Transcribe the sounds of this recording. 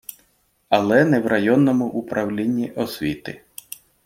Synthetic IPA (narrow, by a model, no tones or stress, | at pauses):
ɐlˠɛnɛwrɐjɔnːɔmʊʔupɾɐwlʲinʲːiʔɔsʲʋʲit̪ɪ̰